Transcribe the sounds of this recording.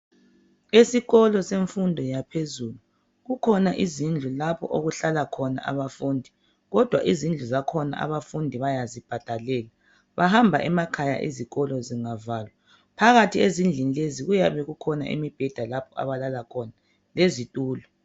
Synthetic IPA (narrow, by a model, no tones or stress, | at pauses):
esiɣɔlɔseɱfundʱɔjapʰezuːlu | ɣukʰɔnaʔizind͡ɮʱulapʰɔ̰ʔoɣuɬalakʰɔna̰ʔa̰βafuːndʱi | ɣɔd̥ʱwa̰ʔizind͡ɮʱuzakʰɔna̰a̰βafundʱiβajazib̥ʱad̥ʱalɛːla | βaɦambʱa̰ʔɛmakʰaja̰ʔḭziɣɔlɔziŋavaːlwa | pʰaɣatʰiezind͡ɮʱinileziɣujaβɛɣukʰɔna̰ʔḭmib̥ʱɛd̥ʱalapʰɔa̰βalalakʰɔna | lezitʼuːlɔ